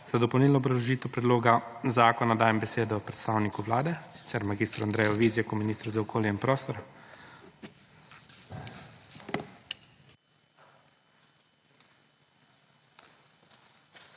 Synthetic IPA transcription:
z̥ad̪ɔpɔwnilnɔbɾɐlɔʒiːt̪ɛwpɾɛd̪loːɡazaːkɔnad̪aːjɛmbɛseːd̪ɔpɾɛt̪st̪aːwnikuʋlaːd̪ɛsi̥t̪sɛɾmaɡiːst̪ɾuand̪ɾɛjɔʋiːzjɛkɔminiːst̪ɾuzaɔkʰoːljɛinpɾoːst̪ɔɾ

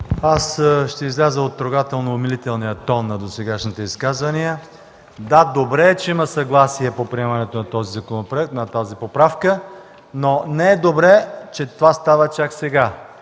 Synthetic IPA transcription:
asʃt̪ɛizlʲazəot̪ːɾoɡat̪ɛlˠnoːmilit̪ɛlˠnijət̪ɔnːɐd̪osɛɡaʃnit̪ɛiskazvɐnijə | d̪ad̪obɾɛt͡ʃɛiməsɐɡlˠasiɛpopɾiɛmənɛt̪onɐt̪ɔzizɐkonopɾoɛk̚t̪nɐt̪azipopɾafkə | nonɛɛd̪obɾɛt͡ʃɛt̪ovast̪avət͡ʃaksɛɡa

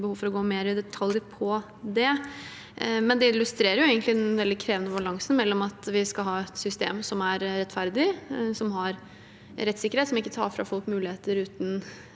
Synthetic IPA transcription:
bəhuːʋfɔɾɔɡoːmeːɾɪd̪ɛt̪ʰɑljəɾpʰɔ | d̪ɛ | mɛnd̪ɛɪlːʉst̪ɾeːɾəɾjʊeːɡənt̪lɪd̪ɛnʋɛld̪ɪkʰɾeːʋənəbɑlɑŋsənmɛlːɔmɑt̪ʋɪskɑlɦɑːɛt̪sʏst̪ḛːmsɔmæɾɾɛt̪ːfæɾd̪ɪsɔmɦɑɾ | ɾɛt̪ːsɪkːəɾheːt̪sɔmɪkːət̪ʰɑ̰ːɾfɾɑ̰fɔlkmʉːlɪheːt̪əɾʉːt̪n

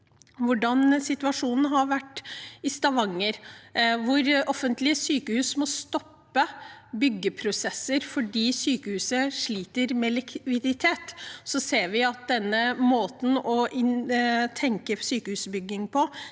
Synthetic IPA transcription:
ʋʊɖɑnsɪt̪ʉʋɑʂuːnn̩ɦɑɾʋæʈːɪst̪ɑʋɑŋːəɾʋʊɾɔfənt̪lɪəsyːkəhʉːsmɔst̪ɔpːəbʏɡːəpʰɾʊsɛsəɾfɔɖiːsyːkəhʉːsəʂɭiːt̪əɾmɛlɪkʰʋɪd̪ɪt̪ʰeːt̪sɔseːɾʋɪɑt̪̚d̪ɛnːəmoːt̪n̩ɔʔɪt̪ʰɛŋkəsyːkəhʉːsbʏɡɪŋpʰɔ

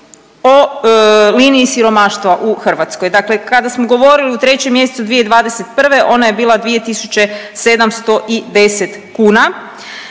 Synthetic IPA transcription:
o | liːniːsiɾo̞maʃt̪ʋaʔuxr̩ʋat̪skojd̪akle̞kad̪asmoɡo̞ʋo̞ɾiliut̪ɾe̞t͡ɕemje̞set̪sud̪ʋijed̪ʋaːd̪ese̞t̪pr̩ʋe̞ʔo̞naje̞biːlˠad̪ʋije̞t̪isut͡ɕe̞se̞d̪amst̪o̞ʔid̪e̞set̪kuːna

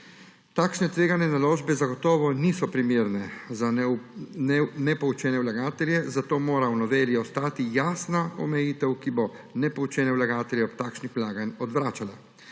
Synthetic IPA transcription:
t̪aːkʃnɛt̪ʋeːɡanɛnaloːʒbɛzaɡɔt̪ɔːʋɔniːsɔpɾimeːɾnɛza | nɛpɔut͡ʃɛːnɛwlaɡaːt̪ɛljɛzat̪oːmoːɾawnɔʋeːljiɔst̪aːt̪ijaːsnaɔmɛjiːt̪ɛwkibɔnɛpɔut͡ʃɛːnɛwlaɡaːt̪ɛljɛɔp̚t̪aːkʃnixwlaːɡanʲɔd̪ʋɾaːt͡ʃala

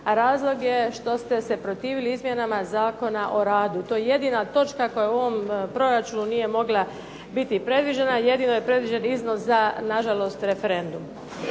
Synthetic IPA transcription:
aɾaːzlˠo̞ɡje̞ʃt̪o̞st̪e̞se̞pɾo̞t̪iːʋiliizmje̞namazaːko̞naʔo̞ɾaːd̪ut̪o̞jeje̞d̪iːnat̪o̞t͡ʃkako̞jauo̞ʋo̞mpɾo̞ɾat͡ʃununije̞mo̞ɡla | bit̪ipɾe̞d̪ʋid͡ʒenaje̞d̪ino̞jepɾe̞d̪ʋid͡ʒenizno̞szanaʒalˠo̞st̪ɾe̞fe̞ɾe̞nd̪um

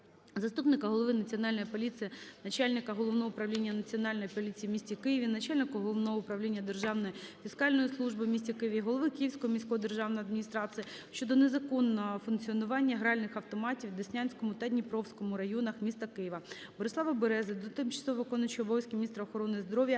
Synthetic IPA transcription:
zɐst̪upnɪkɐɦɔlˠɔʋɪnɐt͡sʲiɔn̪ɑlʲnɔjipɔlʲit͡s̪ʲijinɐt͡ʃɑlʲnɪkɐɦɔlˠɔʋnɔɦɔʊpɾɐʋlʲinʲːɐnɐt͡sʲiɔnɑlʲnɔjipɔlʲit͡sʲijimʲisʲtʲikɪjɪʋʲinɐt͡ʃalʲnɪkʊɦɔlˠɔʋnɔɦɔʊpɾɐwlʲinʲːɐd̪erʒɑwnɔjifʲiskɑlʲnɔjislˠuʒbɪmʲisʲtʲikɪjɪʋʲiɦɔlˠɔʋɪkɪjɪwsʲkɔɦɔmʲisʲkɔɦɔd̪erʒɑwnɔjɐd̪mʲinʲist̪ɾɑt͡sʲijɐ | ʃt͡ʃɔd̪ɔnezɐkɔnːɔɦɔfʊnkt͡sʲiɔnʊʋɑnʲːɐɦɾɑlʲnɪxɐwt̪ɔmɑtʲiwd̪ɪsʲnʲanʲsʲkɔmʊt̪ɐd̪ʲnʲipɾɔwsʲkɔmʊɾɐjɔnɐxmʲist̪ɐkɪjɪʋɐ | bɔɾɪsˠɑʋɐbeɾɛzɪd̪ɔt̪ɪmt͡ʃɐ̥sˠɔɦʋɪkɔnɐt͡ʃɔbɔʋʲjsʲkʲiminʲist̪ɾɐɔxɔɾɔnɪzd̪ɾɔʋʲjɐ

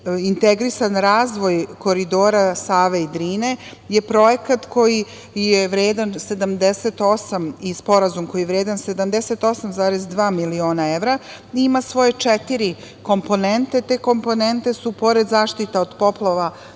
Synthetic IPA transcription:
int̪eɡɾisanɾaːzʋo̞jko̞ɾid̪o̞ːɾasaːʋeid̪ɾiːne̞ | je̞pɾo̞je̞kat̪ko̞ji | jeʋɾeːd̪anse̞d̪amd̪eset̪o̞samispo̞ɾazumko̞jieʋɾeːd̪ansed̪amd̪ese̞t̪o̞samzaːɾezd̪ʋaːmilio̞ːnaeʋɾa | iimasʋo̞je̞t͡ʂet̪iɾi | ko̞mpo̞nent̪e̞t̪e̞ːko̞mpo̞ne̞nt̪e̞supo̞ɾed̪zaːʃt̪it̪aod̪po̞plˠaʋa

